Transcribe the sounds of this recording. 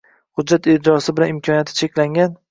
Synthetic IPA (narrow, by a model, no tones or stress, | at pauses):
hʊdd͡ʒːat̪ɪd̪ɪɾɒsɪbɪlanɪmkʰɒnijat̪ʰɪ̥t͡ʃʰekʲlaŋɡʲan